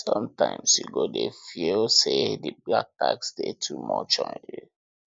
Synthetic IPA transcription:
sɔ̃mtãɪ̃msjuɡodefilsediblak̚taksdetʰumɔt͡ʃɔ̃nju

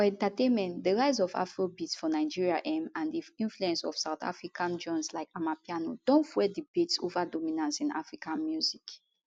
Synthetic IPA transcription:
fɔɛ̃ntatẽnmɛ̃ntdəɹaɪzɔva̰fɹobitsfɔnaɪd͡ʒiɹiaʔɛmãndiĩnfluɛ̃nsɔ̰fsaʊta̰fɹikʰãnd͡ʒɔ̃nslaɪkamapiano̰dɔ̃nfwɛdibitsovadɔmĩnãnsĩna̰fɹikãnmjuzik

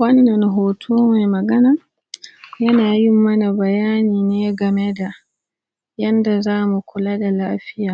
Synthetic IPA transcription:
wanːanɦɔːtʰɔːmajmaɡana | janajimːanabajaːninɛɡamɛda | jandazaːmukʰuladalaːfija

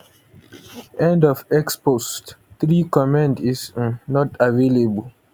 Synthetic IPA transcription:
ɛ̃ndɔvɛkspostθɹikɔmãndiznɔtavelebəl

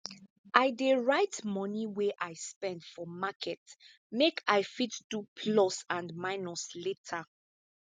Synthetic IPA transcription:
ʔaɪdeɹaɪtmɔniweʔaɪspɛ̃ndfɔmakʰɛt | mekʰaɪfitd̥upʰlɔsãndmaɪnɔsletʰa

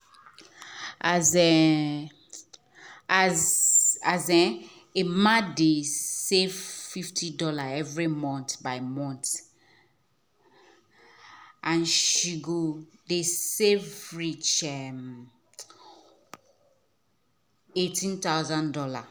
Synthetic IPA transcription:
azɛ | azazɛ | emãdesevfiftʰidɔlaɛvɹimɔ̃ntbaɪmɔ̃nt | ãnʃiɡodesevɹit͡ʃɛm | etĩnt̪aʊzãndɔla

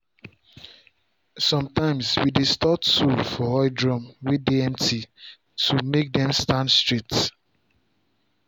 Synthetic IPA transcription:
sɔ̃mtãɪ̃mswidestɔtːufɔɔɪdɹɔ̃mwidiɛ̃ntʰi | tʰumek̚dɛ̃mstãndstɹit

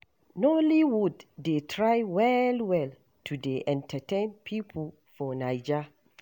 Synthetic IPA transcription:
nɔliwudːetʰɹajwɛlwɛl | tʰudeʔɛ̃ntʰatʰẽnpʰipʰɔl | fɔnaɪd͡ʒa

